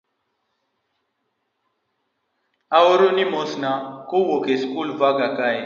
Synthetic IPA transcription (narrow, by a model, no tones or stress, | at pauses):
awoɾonimosnakowokeskulvaɡakae